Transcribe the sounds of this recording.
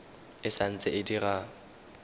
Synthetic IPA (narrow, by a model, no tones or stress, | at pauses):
ɪsan̩t͡sʼɪʔɪdiɣa